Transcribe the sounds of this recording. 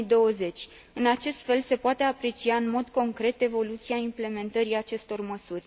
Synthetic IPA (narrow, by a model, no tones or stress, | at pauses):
id̪o̞əze̞t͡ʃʲ | ɨnat͡ʃe̞st̪fe̞lse̞poat̪e̞apɾe̞t͡ʃiaɨnmo̞d̪ko̞ŋkɾe̞t̪e̞vo̞lut̪siaimple̞me̞nt̪əɾiat͡ʃe̞st̪o̞rməsurʲ